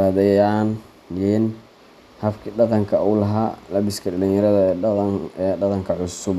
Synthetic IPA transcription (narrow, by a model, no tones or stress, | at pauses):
aðɛjan | jin | hɐfkʰiːɖɑqɑŋkʰɐuːlɐɦaːlɐbɪskʰɐɖɐlinjɐɾɐðɐ | ɛɖɐqɑŋkʰɐʕʊsʊb